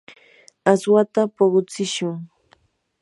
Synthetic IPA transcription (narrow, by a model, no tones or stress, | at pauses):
aswat̪apoɢʊt͡sɪʃʊŋ